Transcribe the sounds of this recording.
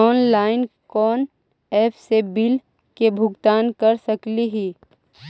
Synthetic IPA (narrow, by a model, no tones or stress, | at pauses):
ɔːnlaːɪnkɔːn | ɛːpʰsebɪl | kebʱʊɡt̪aːnkɐɾsɐkliɦiː